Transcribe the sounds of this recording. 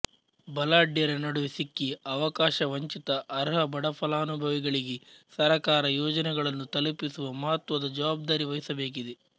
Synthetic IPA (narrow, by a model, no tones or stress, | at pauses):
bɐlaːɖjɐɾɐnɐɽuʋisikːiɐʋɐkaːʃɐʋɐɲt͡ʃit̪ɐʔːɾɦɐbɐɽɐpʰɐlaːɐnubʱɐʋiɡɐɭiɡesɐɾɐkaːɾɐjoːd͡ʒɐnɛɡɐɭɐnːut̪ɐlupisuʋɐmɐɦɐt̪ʋɐd̪ɐd͡ʒɐʋaːb̚d̪aːɾiʋɐjɐsɐbe̞ːk̬id̪e